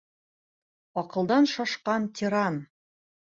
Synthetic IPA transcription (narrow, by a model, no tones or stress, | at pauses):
ɒqɤ̆lˠd̪ɑnʃɒʃqɑnt̪ʲʰiɾɑn